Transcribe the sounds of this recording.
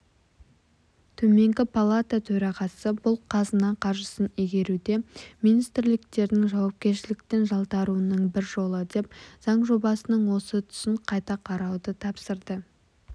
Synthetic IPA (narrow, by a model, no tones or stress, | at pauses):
t̪ʰɵme̞ŋɡʲɪpʰalˠat̪at̪ʰɵɾɑʁɑsəbʊlˠqʰɑzənɑqʰɑɾʒəsəniɡʲe̞ɾud̪e̞mijnijst̪ɾlɪkt̪e̞ɾd̪ɪŋʒɑwɑp̚kʲe̞ɾʃɪlɪk̚t̪e̞nʒɑlˠt̪ɑɾuənəɴbɪɾʒo̞lˠəd̪e̞p̚z̥ɑɴʒo̞bɑsənəɴwo̞sət̪ʰʏ̥sɪɴqʰɑjt̪ɑqʰɑɾɑwd̪ət̪ʰɑpsəɾd̪ə